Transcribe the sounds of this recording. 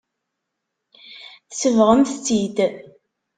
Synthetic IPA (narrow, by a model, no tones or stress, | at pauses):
θsəvʁəmθt͡sːid̪